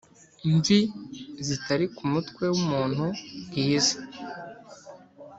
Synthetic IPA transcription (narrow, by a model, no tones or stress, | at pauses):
ɱvizitaɾikumutkwe̞wumuːn̥huɡiːzḁ